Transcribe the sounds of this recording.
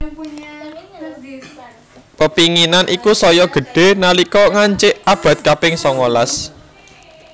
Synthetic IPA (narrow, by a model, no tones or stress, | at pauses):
pəpiŋinanʔikusɔjɔɡ̥ə̤ɖ̥e̤nalikɔŋaɲt͡ʃɪʔab̥a̤t̪̚kapɪŋsɔŋɔlas